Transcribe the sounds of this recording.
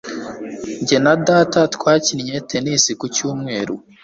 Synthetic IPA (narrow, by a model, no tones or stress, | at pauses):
ɲɟenadatatkwaːcinɲetʰenisikucuːmŋe̞ːɾu